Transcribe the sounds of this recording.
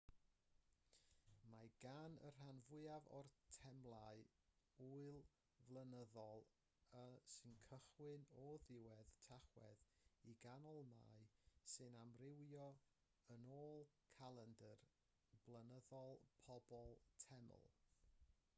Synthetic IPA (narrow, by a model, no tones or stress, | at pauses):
maɡ̥anə̰r̥anvʊɨavɔ̰rtʰɛmlˠaɨ | uɨlˠ | vlˠənəðɔlˠ | əsɨnkʰəχwɨnɔðɪwɛðtʰaχwɛ̰ðiɡanɔlˠma̰jsɨnamrɪwjɔ | ənoːlˠkʰalˠɛndər | blˠənəðɔlˠpʰɔbɔlˠtʰɛmə̰lˠ